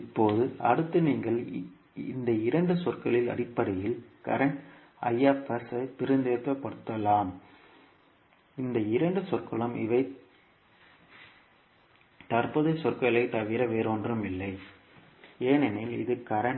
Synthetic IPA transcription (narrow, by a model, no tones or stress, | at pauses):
ɪpːoːðɯɐ̰ɽɯt̪ːɯniːŋɡɐɭ | ɪnd̪ɐɪɾɐɳɖɯsɔrkɐɭɪlɐ̰ɽɪpːɐɽɐjɪlkɐ̰ɾɐɳʈ | ɐjːaːpɐsɐpɪɾɯnd̪eːt̪ːɐpɐɽɯt̪ːɐlaːm | ɪnd̪ɐɪɾɐɳɖɯsɔrkɐɭɐmɪ̰ʋɐɪ | t̪ɐrpɯðɐsɔrkɐɭɐɪt̪ːɐʋɪɾɐʋeːɾoːndrɯmɪlːɐɪ | eːnɛnelɪ̰ðɯkɐɾɐɳ